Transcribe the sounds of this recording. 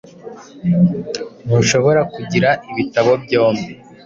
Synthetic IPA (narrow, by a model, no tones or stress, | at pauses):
nuʃo̞βo̞ɾakuɟiɾaiβitaβo̞bɟoːmbi